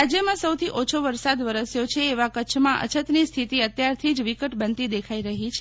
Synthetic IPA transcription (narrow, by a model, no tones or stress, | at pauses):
ad͡ʒjəmãsəwt̪ʰiʔot͡ʃʰoʋəɾsad̪ʋəɾəsjot͡ʃʰeːʋakət͡ʃʰmãʔə̰t͡ʃʰət̪nist̪ʰit̪iət̪jaɾt̪ʰid͡ʒʋikəʈbənt̪id̪ekʰaiɾəɦit͡ʃʰ